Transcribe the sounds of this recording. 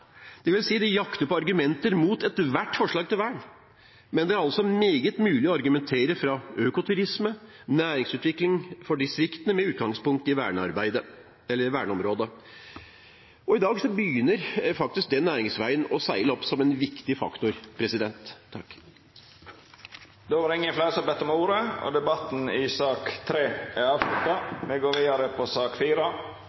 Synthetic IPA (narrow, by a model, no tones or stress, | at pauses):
d̪̥ɛʋɪlsiːd̪ɛjɑkt̪əpɔɑɾɡʉmɛnt̪əɾmuːt̪ɛt̪ʋæʈːfɔʂɭɑːɡ̚t̪ɪlʋæːɳ | mɛnd̪ɛæɾɑlsɔmeːɡət̪mʉːlɪɔɑɾɡʉmɛnt̪ʰeːɾəfɾɑøːkʊt̪ʰʉɾɪsmənæːɾɪŋsʉːt̪ʋɪklɪŋfɔɖɪst̪ɾɪkt̪ənəmɛʉːt̪̚ɡɑŋspʊŋk̚t̪əɪʋæ̰ːɳəɑ̰ɾbæɪd̪ə | ɛlːəʋæːɳəɔmɾoːd̪ə | ɔɪd̪ɑːɡsɔbəjyːnəɾfɑkt̪ɪsk̚d̪ɛnːæːɾɪŋsʋæɪənɔsæɪləɔpːsɔmɛnʋɪkt̪ɪfɑ̰kt̪ʊɾpʰɾɛsɪd̪ɛnt̪ʰːɑkː | d̪oːʋɑɾɪŋːənflɑsɔbɛt̪ːɔmuːɾəɔ̰d̪ɛbɑt̪n̩ɪsɑːkt̪ʰɾeːæɑːʋlʉt̪ːɑmɛɡoːɾʋiːɑɾəpʰɔsɑːkfiːɾɑ